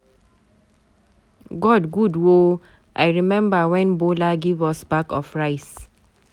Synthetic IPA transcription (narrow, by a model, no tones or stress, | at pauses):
ɡɔdɡudwo | ʔajɹimɛ̃mbawɛ̃nbolaɡivɔsbakɔfɹaɪs